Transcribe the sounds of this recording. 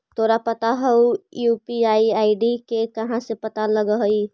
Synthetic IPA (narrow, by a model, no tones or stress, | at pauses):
t̪ʰoːɾapət̪aɦəujupiaːiaːiɖikekɐɦãsepət̪aləɡəɦəi